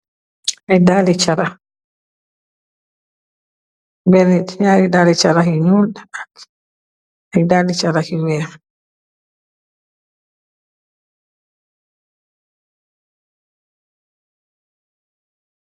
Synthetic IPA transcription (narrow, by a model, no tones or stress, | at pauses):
ʔajdalit͡ʃaɾa | bɛɾiɲaɾidalit͡ʃaɾaɦiɲuːlda | ʔajdalit͡ʃaɾahiwɛɾ